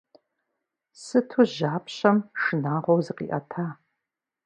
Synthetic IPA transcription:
sɨtʰuʑaːpʰɕɐmʂɨnaːʁʷɔwzɨqḭʔɐtʰaː

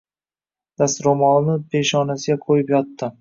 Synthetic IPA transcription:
d̪̥ast̪ɾomɒlˠnɪbe̞ʃɒnasɪɡʲakʰojɪpjɒt̪ʰːɪ

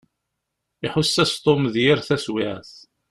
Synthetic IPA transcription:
ɪħʊsːæst̪ˤomðjɪɾθæswiʕθ

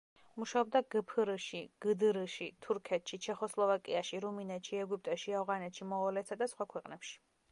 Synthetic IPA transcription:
muʃaɔb̚d̪aɡəpʰɨɾʃiɡ̥əd̪ɨɾʃit̪ʰuɾkʰɛt̪ʃit͡ʃʰɛχɔslˠɔvakʼiaʃiɾuminɛt̪ʃiɛɡup̚ʼt̪ʼɛʃiavʁanɛt̪ʃimɔɔlɛt̪sad̪asχwakʰwɛqʼnɛpʃi̥

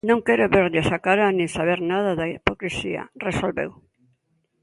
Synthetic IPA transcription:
nõŋkɛɾʊβeɾʎɪsakaɾanĩŋsaβeɾnað̞aðaipokɾisiɐ̰resolβḛw

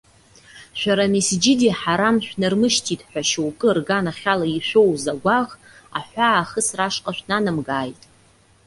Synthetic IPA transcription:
ʃʷᶣaɾamisd͡ʒɪdiħaɾamʃᶣnɨrmɨʃtʰitʼħʷᶣaʃowkʼɨrɡanaχʲalaiʃʷᶣowzaɡʷaʁ | a̰ħʷaːχəsraʂqʼaʃʷᶣnanɨmɡaːjtʼ

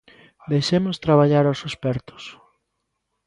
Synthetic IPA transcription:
d̪ejʃemʊst̪ɾaβ̞aʎaɾawsospɛɾt̪ʊ̥s

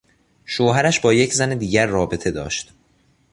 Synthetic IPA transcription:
ʃoːɦæɾæʃbɒːjecʰzæned̪iːɟæɾːɒːbe̞t̪ʰe̞d̪ɒ̰ːʃt̪

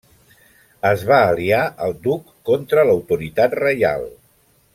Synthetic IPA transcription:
əzβaːliaʔəlˠd̪ukːɔnt̪ɾələwt̪uɾit̪at̪rəja̰lˠ

